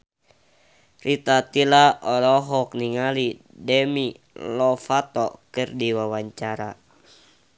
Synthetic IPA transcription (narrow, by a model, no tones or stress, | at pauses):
rit̪at̪ilaʔɔlɔɦɔk̚niŋali | dɛmi | lɔfat̪ɔkɨrdiwawaɲt͡ʃaɾa